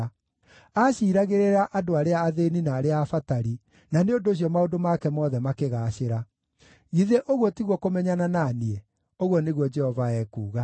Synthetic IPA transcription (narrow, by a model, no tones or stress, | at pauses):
aɕiːɾaɣeɾeɾaʔadoaɾeaːðeninaːɾeaːfataɾi | naneondoɕ̬ijɔmaodomakɛmɔðɛmakeɣaːɕeɾa | ɣiðeʔoɣwɔtiɣwɔkomɛɲanananiɛ | oɣwɔneɣwɔd͡ʒɛhɔvaɛkuːɣa